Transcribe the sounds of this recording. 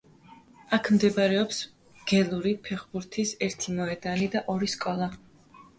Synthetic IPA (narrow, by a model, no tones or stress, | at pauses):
akʰmd̪ɛbɾɛɔps | ɡ̥ɛlˠuɾipʰɛχbuɾt̪ʰisɛɾt̪ʰimɔɛd̪anid̪aʔɔɾiskʼɔlˠa